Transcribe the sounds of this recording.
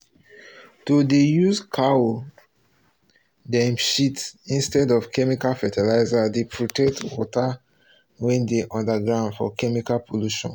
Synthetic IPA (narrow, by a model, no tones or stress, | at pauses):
todejuzkʰao | dɛ̃mʃitĩnstɛdɔv̥kʰɛmikalfɛtɛlaɪzadepʰɹotɛk̚twɔta | wɛ̃ndeʔɔ̃ndaɡɹãʊ̃ndfɔ̰kɛmikalpʰoluʃɔ̰̃n